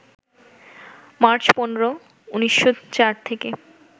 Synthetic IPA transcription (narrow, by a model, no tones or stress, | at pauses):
maɾt͡ɕponɾo | uniʃːot͡ɕaɾt̪ʰeke